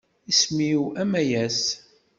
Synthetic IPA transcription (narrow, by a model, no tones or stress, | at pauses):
ismiwæmæjæs